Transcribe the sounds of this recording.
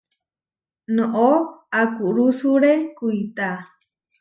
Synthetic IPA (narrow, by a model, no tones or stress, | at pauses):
nõʔoakuɾusuɾekuit̪a